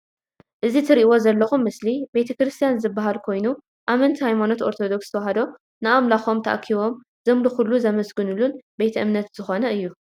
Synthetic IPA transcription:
ʔɨzit̪ʰɨɾiʔwo̞zɐlːɐxumːɨslibe̞t̪ʰɐkɾɨst̪ʰijanzɨbːaɦalkʰo̞jnu | ʔamɐnt̪ʰhajmano̞t̪o̞ɾt̪ʰo̞d̪o̞kst̪ʰɐwɐɦɐd̪o̞ | nɨʔamlaxo̞mt̪ʰɐʔa̰kʰːiβo̞m | zɐmluxulːuzɐmɐsɡɨnulunbe̞t̪ʰɐʔɨmnɐt̪z̥ɨxo̞nɐɨjːu

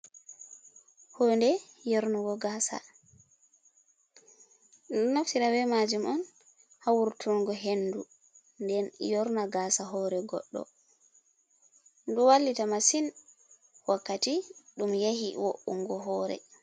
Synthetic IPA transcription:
hondɛjɔɾnuɡɔɡaːsa̰ | naftiɾawɛmad͡ʒumɔn | hawuɾtʰuŋɡɔɦenːdu | ndɛnjɔɾnaɡaːsaɦɔːɾɛɡɔ̰ɗːɔ̰ | nduwalːitamasin | wakːatiɗumjehḭwoʔṵŋːɡɔɦɔːɾɛ̰

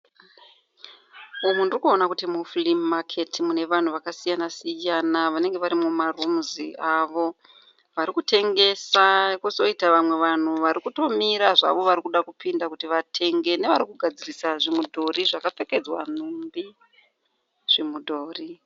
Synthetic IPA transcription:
umundirikuonakutimuflimːakʰe̞tʰimune̞ʋan̤uʋakasijanasijanaʋane̞ŋɡe̞ʋaɾimumarumziʔaʋo̞ | ʋaɾikute̞ŋɡe̞sakuso̞itaʋamwe̞ʋan̤uʋaɾikuto̞miɾaʐa̰ʋo̞ʋaɾikuɗakupindakutiʋatʰe̞ŋɡe̞ne̞ʋaɾikuɡʱad͡zirisaʐimudʱo̞ɾiʐakafe̞ke̞d͡zwa̰n̤umbi | ʐ̥imudʱo̞ːri

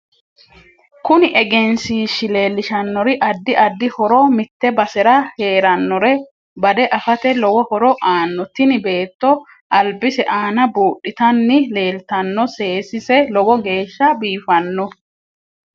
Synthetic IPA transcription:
kʊnɪʔɛɡɛnsiːʃːɪle̞ːlːɪʃɐnːɔɾɪʔɐd̪ːɪʔɐd̪ːɪhɔɾɔmɪt̪ːɛbɐsɛɾɐhe̞ːɾɐnːɔɾɛ | bɐd̪ɛʔɐfɐt̪ɛlɔwɔhɔɾɔʔaːnːɔt̪ɪnɪbe̞ːt̪ːɔ | ʔɐlbɪsɛʔaːnɐbuːʔːɪt̪ɐnːɪle̞ːlt̪ɐnːɔse̞ːsɪsɛlɔwɔɡe̞ːʃːɐbiːfɐnːɔ

